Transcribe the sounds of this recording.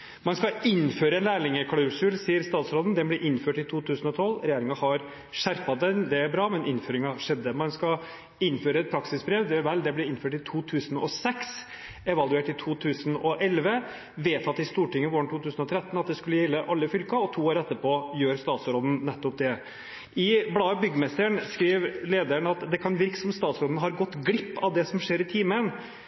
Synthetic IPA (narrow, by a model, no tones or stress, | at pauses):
mɛnskɑɪnføːɾəɛnlæːɭɪŋəkʰɑɽʉsʉlsiːəɾst̪ɑːt̪sɾoːd̪ən̩d̪ɛblɛʔɪnføːʈɪt̪ʰuːt̪ʰʉːsənɔt̪ʰɔlːɾɛjeːɾɪŋɑhɑɾ | ʂæɾpɑd̪ɛnd̪ɛæɾbɾɑːmɛnʔɪnføːɾɪŋɑʂɛd̪ːəmɛnskɑ | ɪnːføːɾəɛt̪̚pʰɾɑksɪsbɾeːʋd̪ɛʋɛld̪ɛblɛɪnføːʈɪt̪ʰuːt̪ʰʉːsənɔ̰sɛks | ɛʋɑlʉeːʈɪt̪ʰuːt̪ʰʉːsənɔʔɛlʋə | ʋeːt̪ɑt̪ːɪst̪uːʈɪŋːəʋoːɳtʰuːt̪ʰʉːsən̩ɔt̪ʰɾɛt̪ːn̩ɑt̪̚d̪ɛskʉlːəjɛlːəʔɑlːəfʏlkɑɔt̪ʰuːoːɾɛt̪ːəpʰoːjøːɾst̪ɑːt̪sɾoːd̪n̩nɛt̪ːɔp̚d̪ɛ | ɪblɑːbʏɡːəmɛst̪əɳskɾiːʋleːd̪æɳɑt̪d̪ɛkʰɑnʋɪɾkə̥sɔmst̪ɑːt̪sɾoːd̪nɦɑɾɡɔt̪ːɡɽɪpːɑʋd̪ɛsɔmʂeːɾɪt̪ʰiːmən